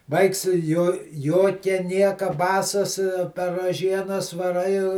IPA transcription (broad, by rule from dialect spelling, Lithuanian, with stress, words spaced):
ˈʋɐɪks ˈjoː ˈjoːkʲɛ ˈnʲiɛkɐ ˈbɑːsɐs pʲɛr rɐˈʒʲiɛnɐs ʋɐˈrɐɪ